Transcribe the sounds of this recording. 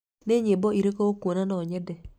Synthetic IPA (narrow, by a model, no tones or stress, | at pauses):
neɲebɔiɾekookonanɔɲɛdɛ